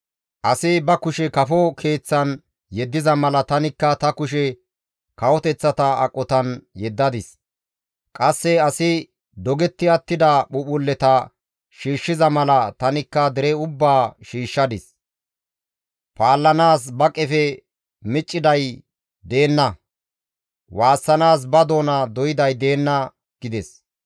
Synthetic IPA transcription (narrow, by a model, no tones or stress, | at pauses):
ʔɐsɪbɐkʊʃɛkɐfɔkʰe̞ːt͡sːɐn | jɛd̪ːɪzɐmɐlɐt̪ɐnɪkːɐt̪ɐkʊʃɛ | kɐwɔt̪ɛt͡sːɐt̪ɐɐ̰kʼːɔt̪ɐnjɛd̪ːɐd̪ɪs | kʼɐsːɛɐsɪ | d̪ɔɡɛt̪ːɪɐt̪ːɪd̪ɐɓʊɓʊlːɛt̪ɐ | ʃiːʃːɪzɐmɐlɐt̪ɐnɪkːɐd̪ɛɾɛʊbːaːʃiːʃːɐd̪ɪs | paːlːɐnaːsbɐkʼːɛfɛ | mɪt͡ʃʼːɪd̪ɐj | d̪e̞ːnːɐ | waːsːɐnaːs̬bɐd̪o̞ːnɐd̪ɔjɪd̪ɐjd̪e̞ːnːɐ | ɡ̥ɪd̪ɛs